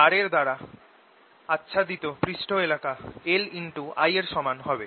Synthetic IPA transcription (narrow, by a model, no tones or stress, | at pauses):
aɾeɾd̪aɾa | atːɕʰad̪it̪opɾiʃʈʰoelakaeliɳʈua̰jeɾʃɔmanɦɔbe